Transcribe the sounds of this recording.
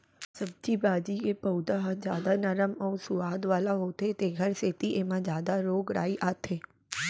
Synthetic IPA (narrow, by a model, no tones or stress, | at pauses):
sɐb̚d͡ʒibaːd͡ʒikepɐʊd̪aɦzjaːd̪anɐɾəmɐũsʊaːd̪ʋaːlaɦoːt̪et̪eɡʱɐɾseːt̪iʔeːmãzjaːd̪aɾoːɡɽa̰ːiʔaːt̪ʰeː